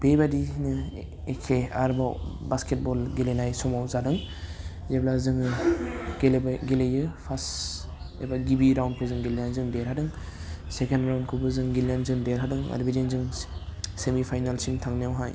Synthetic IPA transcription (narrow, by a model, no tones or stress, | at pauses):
b̥ebadinɯ | ekʰeaɾbawbasket̚bɔlɡilenajsɔmawzadɯŋzeblazɯŋɯɡelbɡelejɯpʰas | ebaɡibiɾawnd̚pʰɯzɯŋɡilanzɯŋdeɾɦadɯŋ | sekʰenɾawndkʰubɯzɯŋɡilanzɯŋdeɾɦadɯŋa̰dbidinzɯŋ | semipʰajnalsiŋtʰaŋnijawɦa̰j